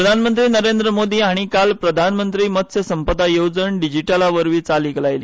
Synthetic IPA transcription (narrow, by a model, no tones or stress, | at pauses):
əd̪ʱanmənt̪ɾiːnəɾend̪ɾəmod̪iːaɽ̃ikalpɾəd̪ʱanmənt̪ɾiːmət̪sjəsəmpəd̪ʱajod͡zəɳɖid͡ʑiʈalaʋəɾʋiːt͡saliːkəlajlḭ